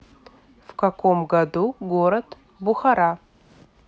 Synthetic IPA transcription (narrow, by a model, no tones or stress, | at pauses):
vkako̞mɡɐd̪uɡoɾɐd̪ | bʊxaɾa